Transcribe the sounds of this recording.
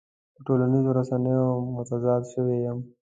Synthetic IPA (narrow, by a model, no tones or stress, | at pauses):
pəʈolanizoɾasanəjomʊt̪azɑːd̪ʃəwejəm